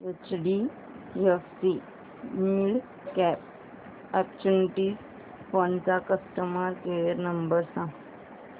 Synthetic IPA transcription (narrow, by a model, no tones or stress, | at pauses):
ət͡ʃɖi | jefsi | miɭ | kɛp̚ | ɛpt͡ʃuniʈis | font͡sakəsʈəməɾkejəɾnəmbəɾsã